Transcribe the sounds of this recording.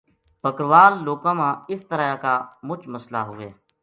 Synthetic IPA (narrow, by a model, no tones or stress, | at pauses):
pəkɾʋaːlːoːkãːmãːɪst̪əɾaakaːmʊt͡ʃməsla̰ːɦʊʋeː